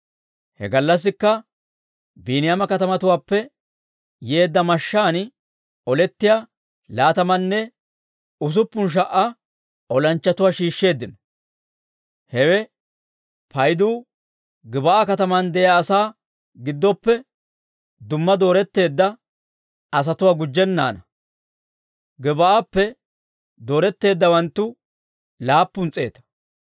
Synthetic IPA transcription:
hɛ̰ɡɐlːɐs̬ːɪkːɐ | biːnɪjamɐkɐt̪ɐmɐt̪ʊwaːpːɛ | je̞ːd̪ːɐmɐʃːaːn | ɔlɛt̪ːɪja | laːt̪ɐmɐnːɛ | ʊs̬ʊpːʊnʃ̬ɐʔɐ | ʔɔlɐnt͡ʃːɐt̪ʊwaːʃiːʃːe̞ːd̪ːɪnɐ | hɛwɛ | pɐjd̪uː | ɡɪbɐʔakɐt̪ɐmɐnd̪ɛjaːsaː | ɡɪd̪ːɔpːɛ | d̪ʊmːɐd̪o̞ːɾɛt̪ːe̞ːd̪ːɐ | ɐs̬ɐt̪ʊwaːɡʊd͡ʒːɛnːa̰ːnɐ | ɡɪbɐʔapːɛ | d̪oːɾɛt̪ːe̞ːd̪ːɐwɐnt̪ːʊ | laːpːʊnt͡sʼːe̞̰ːt̪ɐ̥

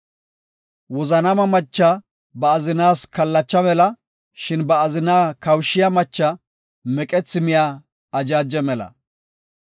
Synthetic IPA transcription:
wɔzɐnɐmɐmɐt͡ʃːa | bɐːzɪnaːskɐlːɐt͡ʃːɐmɛlɐ | ʃɪnbɐːzɪnaːkɐwʃːɪjɐmɐt͡ʃːɐ | mɛkʼɛt͡sːɪmɪjaː | ɐd͡ʒaːd͡ʒːɛmɛlɐ̰

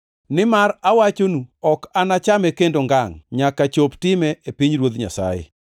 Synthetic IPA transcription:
nɪmaɾawat͡ʃonuɔkanat͡ʃamɛkendoŋɡaŋɲakat͡ʃoptɪmɛʔepiɲɾwod̪ɲa̰sa̰jḛ

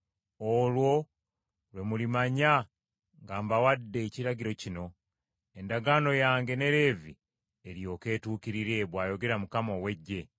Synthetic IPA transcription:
olwo̞ | lwe̞mulimaɲa | ŋɡaːmbawadːe̞ːciɾaɟiɾo̞cino̞ | e̞ndaɡaːno̞jaːŋɡe̞ne̞ɾe̞ːvi | eɾjo̞ːke̞ːtuːkiɾiɾe̞βwaːjo̞ɡe̞ɾamukamowe̞ɟːe̞

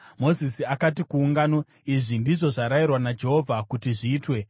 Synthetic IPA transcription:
mo̞zisiakat̬ikuːŋɡano̞ | iʐindiʐo̞ʐaɾairwanad͡ʒe̞ɦo̞vʱakutiʐiːtwe̞

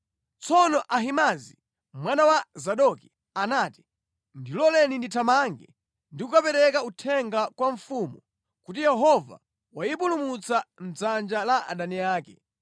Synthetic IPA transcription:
t͡sɔnɔʔaɦimazi | mwanawazaɗɔki | anaːti̥ | ndilɔlɛninditʰamaŋɡɛ | ndikukapɛɾɛkautʰɛŋɡakwaɱfumu | kutijɛɦɔva̰ | wajipulumut͡sam̩d͡zand͡ʒalaʔa̰ɗaniaːkɛ̰

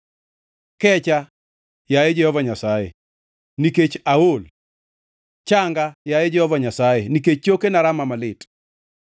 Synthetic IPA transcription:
kɛt͡ʃa | jajed͡ʒɛhɔvaɲasajḛ | niket͡ʃaol | t͡ʃaŋɡajajed͡ʒɛhɔvaɲasajeniket͡ʃt͡ʃokenaɾamamalɪt

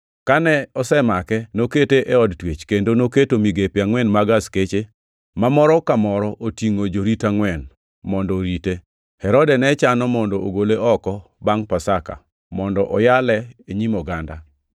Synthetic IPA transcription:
kanɛɔsɛmakɛnoketeʔeɔdtwet͡ʃkendonoketomiɡepjaŋwɛnmaɡasket͡ʃe | mamɔɾɔkamɔɾɔʔotiŋod͡ʒoɾitaŋwɛn | mɔndɔɾite | hɛɾɔdɛnɛt͡ʃanɔmɔndɔoɡoleɔkɔ | baŋpasaka̰ | mɔndɔʔɔjalɛeɲimɔɡanda

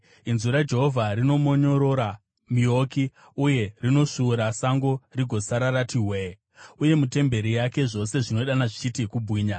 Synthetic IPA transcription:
inzuɾad͡ʒe̞ɦo̞vʱaɾino̞mo̞ɲo̞ɾo̞ɾa | mio̞ːki | uje̞rino̞ʂuːɾasaŋɡo̞riɡʱo̞saɾaɾatʰiɦwe | uje̞mute̞mbe̞ɾijake̞ʐo̞se̞ʐino̞iɗanaʐit͡ʃitikubʱwiːɲa

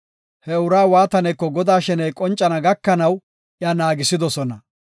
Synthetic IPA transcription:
hɛʊɾaːwaːt̪ɐnɛjkːɔɡɔd̪aːʃɛnɛjkʼɔnt͡ʃʼːɐnɐɡɐkːɐnɐw | ʔɪaːnaːɡɪsɪd̪ɔsɔnɐ

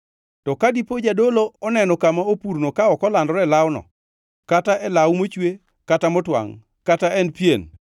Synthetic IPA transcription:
tɔkadipod͡ʒadoloɔnɛnɔkamaopuɾnokaɔkɔlandɔɾɛlawnɔ̰ | kataʔɛlawmot͡ʃwe | katamɔtwa̰ŋ | kataɛnpjen

